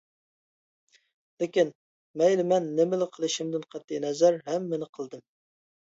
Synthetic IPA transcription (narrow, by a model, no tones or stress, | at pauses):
lɪkʲin | mɛjlɪmɛnːemɪlɪqʰəlˠɨʃimd̪ɪnqʰæt̪ːinɛzæɾɦɛmːɪnɪqʰəlˠd̪ɨm